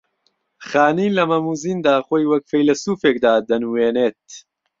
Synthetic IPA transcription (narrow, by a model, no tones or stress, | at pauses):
χaːniːlɐmɐmuːziːnd̪aːxoːjwɐkfejlɐsuːfeːk̚d̪aːd̪ɐnuweːneːt̪̚